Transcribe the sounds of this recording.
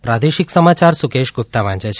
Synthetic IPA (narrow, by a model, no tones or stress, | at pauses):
pɾad̪eʃiksəmat͡ʃaɾsukeʃɡʱup̚t̪aʋãnd͡ʒet͡ʃʰ